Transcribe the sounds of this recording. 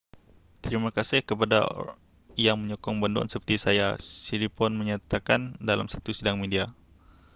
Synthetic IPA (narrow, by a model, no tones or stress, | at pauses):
t̪ɾimakasɪhkəpada̰ | jaŋməɲɔkɔŋbandɔ̰nsəpərt̪isajasiɾipɔnməɲat̪akandala̰msḁt̪usidaŋmedia